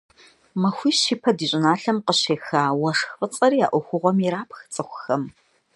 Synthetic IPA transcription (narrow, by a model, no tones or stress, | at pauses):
mɐxʷiːɕiːpʰɐdiːɕʼɪnaːɬɐmqəɕeːxaːwɐʂxfʼɨt͡sʼɐɾiːja̰ːʔʷɔxʷʊʁʷɔmiɾaːpʰxt͡sʼɨxʷʊxɐm